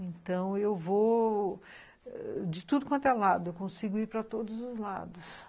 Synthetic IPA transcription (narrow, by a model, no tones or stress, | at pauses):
ẽnt̪ɐ̃w̃ewvo | d͡ʒɪt̪ud̪ʊkwɐ̃nt̪alad̪ʊewkõsiɡʊiɾpɾɐt̪od̪ʊzʊzla̰d̪ʊs